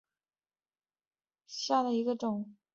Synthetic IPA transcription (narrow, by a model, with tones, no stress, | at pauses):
ɕja˥˩d̪ə˩i˧˥ɡə˧ʈ͡ʂʊ˨˩˦ŋ